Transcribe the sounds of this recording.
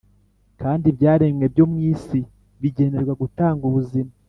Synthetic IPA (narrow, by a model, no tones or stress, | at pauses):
kaːndibɟaːɾemwe̞bjo̞ːmŋiːsi | βiɟe̞ne̞ɾɡwaɡutaːŋɡuβuzima